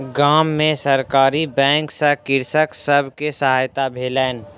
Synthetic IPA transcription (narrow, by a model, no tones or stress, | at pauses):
ɡaːmːẽsəɾkaːɾibɛ̃ːŋksəkɪɾsəksəbʱkesəɦaːjt̪abʱeːlɛːn